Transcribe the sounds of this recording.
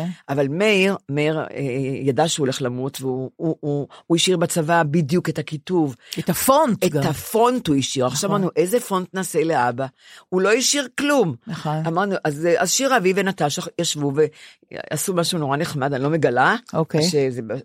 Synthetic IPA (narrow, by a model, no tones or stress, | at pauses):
ʔavalmeiʁmeiʁejadaʃeuleχlamutveuuuiʃiʁbat͡savabidjuketakituvetafonteafo̞ntuiʃiʁaχʃavamaʁnuʔezefo̞ntnasele̞aba | ulo̞iʃiʁklumnamaʁnuʔazazʃiʁavivenataʃaχjaʃvuve | a̰sumaʃuno̞ʁaneχmadanlo̞meɡalaokeʃezeb